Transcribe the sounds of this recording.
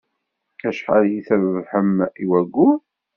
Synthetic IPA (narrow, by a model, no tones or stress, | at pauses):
æʃħa̰ljiθævvħəmiwæɡːu